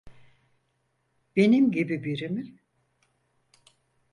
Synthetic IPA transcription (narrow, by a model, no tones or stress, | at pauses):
b̥enimɟibibiɾimi